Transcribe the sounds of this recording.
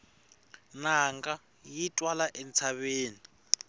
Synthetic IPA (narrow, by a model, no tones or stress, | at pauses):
naŋɡa | jitʼwalaʔɛnt͡sʰaβeːni